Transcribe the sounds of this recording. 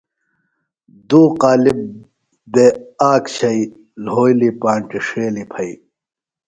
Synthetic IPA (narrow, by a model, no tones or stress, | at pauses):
d̪uːqaːlib̚ | b̪eaːkɕʰɐi | lɦoːjlipaːɳʈiʂeːlipʰɐi